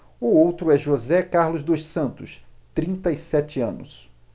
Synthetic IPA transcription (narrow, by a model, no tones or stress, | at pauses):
ʊowt̪ɾʊɛʒozɛkaɾlʊzd̪ojʃsɐ̃nt̪ʊst̪ɾĩnt̪ɐɪsɛt͡ʃɪɐ̃nʊ̰s